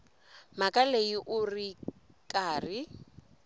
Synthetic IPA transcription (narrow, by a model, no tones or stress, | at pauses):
makʼaleiʔʊri | kʼaːri